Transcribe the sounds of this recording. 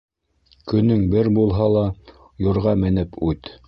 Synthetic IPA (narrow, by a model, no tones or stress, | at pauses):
kɵ̆nɵŋbɘɾbulˠɦɑlˠɑ | jŏɾʁɑmɘ̆nɘpʉt̪